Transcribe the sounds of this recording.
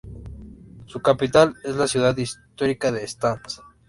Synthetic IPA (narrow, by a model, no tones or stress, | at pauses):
sukapit̪alezlasjuðaðist̪oɾikaðeːst̪ans